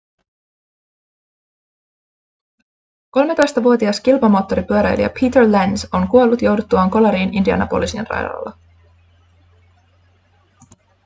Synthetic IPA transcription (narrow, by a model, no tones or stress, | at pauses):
ko̞lme̞t̪o̞jst̪ɑʋuo̞t̪iɑskilpɑmo̞ːt̪ːo̞ɾipyøɾæjlḭɑ̰pʰiːt̪eɹlænso̞ŋkuo̞lːut̪jo̞wdut̪ːuʋɑːŋko̞lɑɾiːnʔindiɑ̰nɑ̰po̰lisinrɑ̰jdɑ̰lːɑ̰